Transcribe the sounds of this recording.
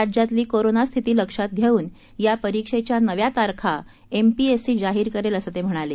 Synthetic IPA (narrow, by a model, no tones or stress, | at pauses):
ad͡ʑjat̪liːkoɾonast̪ʰit̪iːləkʂat̪̚ɡʱjeuːn | japəɾikʂet͡ɕjanəʋjat̪aɾkʰa | empiesiːd͡zaɦiːɾkəɾeləsət̪em̤əɽ̃ale